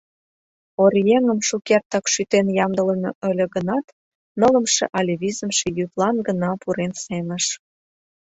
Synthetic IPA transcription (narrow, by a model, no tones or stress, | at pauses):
oɾjeŋə̆mʃukert̪ɑkʃyt̪enjɑmd̪ələnoʔə̆lʲə̆ɡənɑt̪ | nə̆lə̆mʃḛ̆ʔɑlʲeβizə̆mʃejyβlɑnɡənɑpuɾensemə̆ʃ